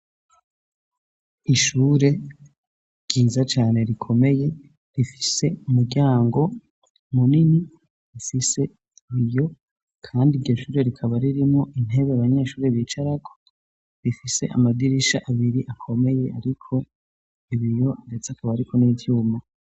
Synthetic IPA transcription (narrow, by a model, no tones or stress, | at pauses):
iʃuːɾe̞ | ɾɟ̥iːzat͡ʃaːne̞ɾikʰo̞me̞je̞ | ɾifi̥se̞umuɟaːŋɡo̞ | munini | ɾifise̞ | iβijo̞ | kʰaːndiɾɟo̞ʃuːɾe̞ɾikʰaβaɾiɾimŋo̞ʔin̥ɦe̞βeaβaɲe̞ːʃuːɾe̞βiːt͡ʃaɾako̥ | ɾifise̞̰ʔa̰mad̪iɾiʃaʔaβiɾiʔakʰo̞me̞je̞ʔaɾikʰo̞ | iβijo̞andet͡sakʰaβaɾikʰo̞nivjuːma